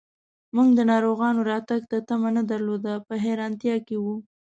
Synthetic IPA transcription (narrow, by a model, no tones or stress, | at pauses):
muɡd̪ənɑɾoɣɑnoɾɑt̪aɡt̪at̪amanad̪aɾlod̪apəɦeɾɑnt̪jɑkewu